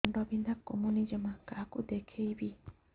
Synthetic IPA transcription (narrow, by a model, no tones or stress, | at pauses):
ɳɖɔbind̪ʱakːomunid͡ʒəmakakud̪ekʰejbi